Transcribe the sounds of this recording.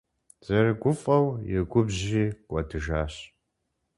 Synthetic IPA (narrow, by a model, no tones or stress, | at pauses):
z̥ɐrɨɡʷʊfʼɐwjɛɡʷʊbʑiːkʷʼɔdʰɨʒaːɕ